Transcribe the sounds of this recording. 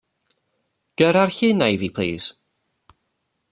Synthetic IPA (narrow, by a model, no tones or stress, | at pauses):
ɡ̥əɾarçɪnajvipʰl̥ḭːs